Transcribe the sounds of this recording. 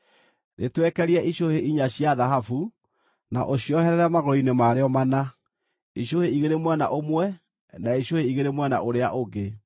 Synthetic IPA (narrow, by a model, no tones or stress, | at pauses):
netwɛkɛɾiɛʔiɕoheʔiɲaɕiaðaɦafu | na̰ʔoɕjɔhɛɾɛɾɛmaɣoɾɔinemaɾeɔmana | iɕoheiɣeɾemwɛna̰ʔomwɛ | naiɕoheiɣeɾemwɛna̰ʔoɾeaʔoɡe